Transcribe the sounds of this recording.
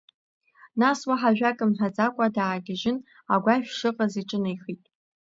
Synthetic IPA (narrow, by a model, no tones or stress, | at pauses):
naswaħaʒᶣʷakʼɨmħʷᶣad͡zakʷʼadaːɡʲɪʒɪn | aɡʷaʃᶣʂɨqʼaziʈ͡ʂʼɨnɨjχitʼ